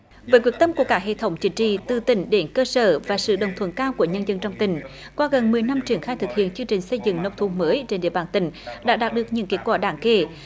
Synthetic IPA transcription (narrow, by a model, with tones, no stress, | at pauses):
vəː˨˦jkwət̪ə˧mku˧˩əkaː˦˥k̚ɦḛ˧˨t̪ʰə˨˦wŋ͡mt͡ɕï˨˦ŋ̟t͡ɕḭ˧˨t̪ɨ˨˩t̪ï˧˩ŋ̟ɗe˧˩nkəː˧səː˧˩vaː˨˩sɨ̰˧˨ɗə˨˩wŋ͡mt̪ʰwə˧˥˦nkaː˧wku˧˩əɲə˧nzə˧nt͡ɕɔ˧wŋ͡mt̪ï˧˩ŋ̟ | ka˨˦ɣə˨˩nmɨ˨˩əjna˧mt͡ɕi˧˩əŋxaː˧jt̪ɨ˨˩k̚hḭ˧˨ənt͡ɕɨ˧ŋt͡ɕï˨˩ŋ̟sə˧jzɨ̰˧˨ŋnə˧wŋ͡mt̪ʰu˨˧˦məː˨˦jt͡ɕe˧nɗḭ˧˨əɓaː˨˩nt̪ï˧˩ŋ̟ɗa̰ː˧˥ɗaː˨˩t̚ɗɨ˨˩ək̚ɲɨ̰˧˥ke˨˦t̚kwaː˧˩ɗaː˧˩ŋke˧˩